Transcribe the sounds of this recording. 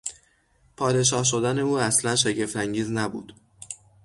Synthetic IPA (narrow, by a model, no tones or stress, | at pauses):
pʰɒːd̪e̞ʃ̬ɒːhʃ̬o̞d̪æne̞uːæslænʃeɟe̞ft̪æŋɟiːznæbṵːd̪̥